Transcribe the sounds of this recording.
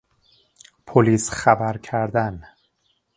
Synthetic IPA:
pʰoliːsxæbæɾcʰæɾd̪æn

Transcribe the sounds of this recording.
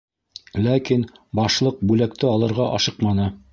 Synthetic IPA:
lækinbɑʃlˠɤq̚bʉlæk̚t̪ɘɑlˠɤ̆ɾʁɑʔɑ̰ʃɤqmɑnɤ

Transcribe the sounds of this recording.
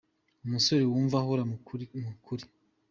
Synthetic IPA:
umuso̞ɾewuːɱvaɦoɾamukʰuɾi

